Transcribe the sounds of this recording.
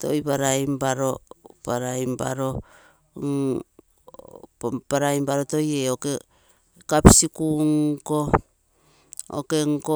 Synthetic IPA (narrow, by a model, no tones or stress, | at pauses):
to̰jbaɾajmbaɾopaɾajmba̰ɾo̞ | ŋ | paɾaimbaɾoto̞jeoke | kapisikuŋko | o̰keŋko